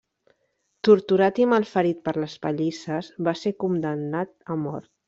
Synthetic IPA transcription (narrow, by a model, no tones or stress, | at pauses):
t̪uɾt̪uɾat̪imalˠfəɾit̪̚pəɾləspəʎisəzβasekumd̪ənːat̪əmɔ̰ɾt̪̚